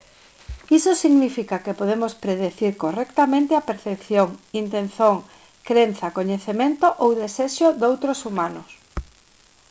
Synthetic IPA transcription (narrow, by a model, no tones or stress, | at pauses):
isosiɣnifikakepoðemospɾeðeθiɾkorɛkt̪amẽnt̪eapeɾθepθjoŋint̪ẽn̟θoŋ | kɾenθakoɲeθemẽnt̪oʔowðeseʃod̪owt̪ɾosumanʊs